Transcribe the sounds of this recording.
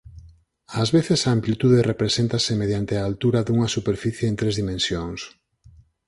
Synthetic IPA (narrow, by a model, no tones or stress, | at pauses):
azβeθesaːmplit̪uðerepɾesent̪asɪmeðjant̪ɪaːlt̪uɾaðuŋɐsupeɾfiθjeːnt̪ɾezðimẽnsjoŋs